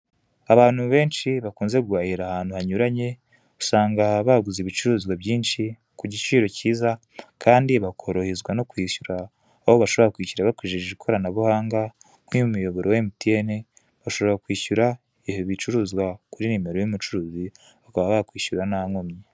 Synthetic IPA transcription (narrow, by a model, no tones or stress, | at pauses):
aβaːn̥huβe̞ːnʃiβakuːnze̞ɡwaːhiɾahaːn̥huhaɲuɾaɲe̞ | usaːŋɡaβaɡuziβit͡ʃuɾuːzɡwaβɟiːnʃi | kuɟit͡ʃiːɾo̞ciːza | kʰaːndiβakʰo̞ɾo̞hezɡwano̞kwiːʃuɾaː | ho̞βaʃo̞βoɾakwiːcuɾaβakwiːʒiʒeβikʰo̞ɾanaβuhaːŋɡa | ŋ̥wiumujo̞βo̞ɾʔowemutiene | βaʃo̞βoɾakwiːʃuɾa | ihoβit͡ʃuɾuːzɡwakuɾinime̞ɾo̞jumut͡ʃuɾuːzi | βakaβaβaakwiːʃuɾanaŋomɲe